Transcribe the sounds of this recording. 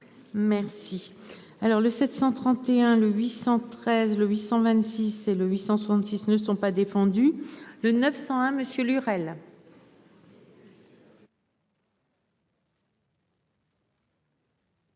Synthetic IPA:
mɛʁsi | alɔʁləsɛt̪sɑ̃t̪χɑ̃t̪eɛ̃ləɥisɑ̃t̪χɛzləɥisɑ̃vɛ̃t̪siseləɥisɑ̃swasɑ̃nt̪sisnəsɔ̃pad̪efɑ̃d̪ylənœfsɑ̃ɛ̃məsjølyʁɛl

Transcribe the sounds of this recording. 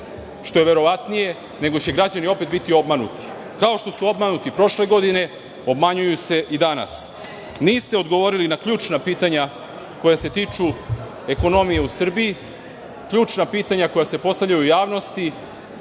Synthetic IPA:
ʃt̪o̞je̞ʋe̞ɾo̞ʋat̪nije̞ | ne̞ɡo̞t͡ɕe̞ɡɾad͡ʑanio̞pe̞t̪bit̪io̞bmanṵt̪i̥ | kao̞ʃt̪o̞suo̞bmanut̪ipɾo̞ʃle̞ɡo̞d̪ine̞ | o̞bmaɲujuse̞ʔid̪ana̰s | niːst̪eo̞d̪ɡo̞ʋo̞ɾilinakʎuːt͡ʂnapiːt̪aɲa | ko̞jase̞t̪iːt͡ʂu | e̞ko̞no̞mije̞usr̩biji | kʎuːt͡ʂnapiːt̪aɲako̞jase̞po̞st̪avʎʲajuujaːʋno̞st̪i

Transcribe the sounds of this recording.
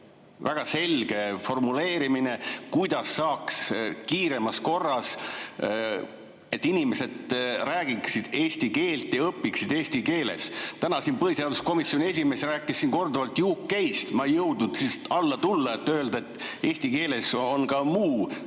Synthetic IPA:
væɡ̥ɑse̞lɡ̥e̞fo̞rmule̞ːɾimine̞kujd̪̥ɑsːɑːkskiːɾe̞mɑsko̞rːɑs | e̞t̪ːinimese̞d̪ræːɡiksid̪̥e̞ːsʲt̪ike̞ːlt̪jɑɤpːiksid̪̥e̞ːst̪ike̞ːle̞̰st̪ænɑsiːnpɤhisɑlusko̞misjo̞nʲie̞sʲime̞sræːkːˑisːinko̞rd̪uvɑlt̪juːkkæjst̪mɑejɤwd̪ud̪̥sist̪ɑlːɑt̪ulːɑet̪ːˑøld̪̥ɑet̪ːˑe̞ːsʲt̪ike̞ːle̞so̞nkɑmuː

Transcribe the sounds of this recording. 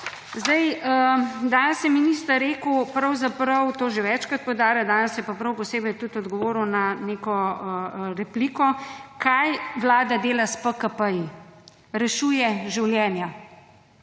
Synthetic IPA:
zd̪ɐjəd̪aːnəsjɛminist̪aɾeːkupɾɐwzapɾɐwt̪oːʒeʋɛt͡ʃkɾat̪̚pɔwd̪aːɾjad̪aːnəsjɛpapɾɐwpɔseːbɛjt̪ut̪ɔd̪ɡɔʋoːɾuwnaneːkɔəɾɛpliːkɔkʰajʋlaːd̪ad̪eːlaspəkəpəji | ɾɛʃuːjɛʒiwljɛːnja

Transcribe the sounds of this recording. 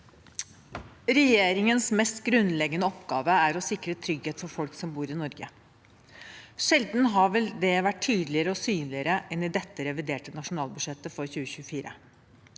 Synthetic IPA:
ɾɛjeːɾɪŋənsmɛst̪ɡɾʉnlɛɡənəɔpɡɑːʋəæɾɔsɪkɾət̪ʰɾʏɡheːt̪fɔɾfɔlksɔmbuːɾɪnɔɾɡə | ʂɛld̪n̩ɦɑʋɛld̪ɛʋæʈ̚ʰyːd̪lɪəɾəɔsyːnlɪəɾəʔɛnɪd̪ɛt̪ːəɾɛʋɪd̪eːʈənɑʂʊn̩ɑːlbʉʂɛt̪ːəfɔɾçʉːəçʉːəfiːɾə̰

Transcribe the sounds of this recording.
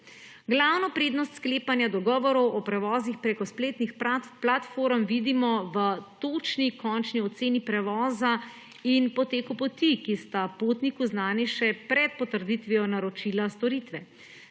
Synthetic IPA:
ɡlawnɔpɾeːd̪nɔst̪skleːpanjad̪ɔɡɔːʋɔɾɔwɔpɾɛʋɔːzixpɾekɔspleːt̪nixplat̪foɾmʋiːd̪imɔʋət̪ot͡ʃnikɔnt͡ʃniɔt̪seːnipɾɛʋɔːza | inpɔt̪eːkupɔt̪ikist̪apot̪nikuznaːniʃɛpɾɛt̪̚pɔt̪əɾd̪it̪ʋiɔnaɾɔt͡ʃilast̪ɔɾit̪ʋɛ

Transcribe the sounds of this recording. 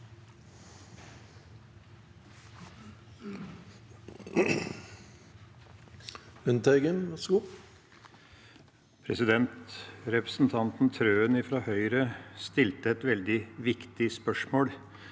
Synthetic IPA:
ʉnt̪ʰɛɡənsku | pʰɾɛsɪd̪ɛnt̪ɾɛpɾəsn̩t̪ʰɑnt̪n̩t̪ʰɾøːənɪfɾɑːhœʏɾəst̪ɪlt̪əɛt̪ʋɛld̪ɪʋɪkt̪ɪspœʂmoːl

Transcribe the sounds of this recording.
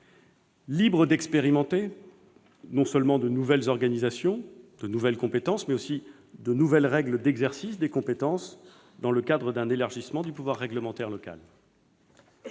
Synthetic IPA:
libʁəd̪ɛkspeʁimɑ̃t̪e | nɔ̃səlmɑ̃d̪ənuvɛlzɔʁɡanizasjɔ̃d̪ənuvɛlkɔ̃pet̪ɑ̃smɛosi | d̪ənuvɛlʁɛɡləd̪ɛɡzɛʁsisd̪ekɔ̃pet̪ɑ̃s | d̪ɑ̃ləkad̪ʁəd̪ɛ̃nelaʁʒismɑ̃d̪ypuvwaʁːɛɡləmɑ̃t̪ɛʁlɔka̰l

